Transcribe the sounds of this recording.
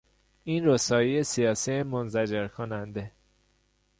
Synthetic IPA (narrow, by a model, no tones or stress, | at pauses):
iːnɾosɒːjijesijɒːsiemonzæd͡ʒeɾkʰonænd̪e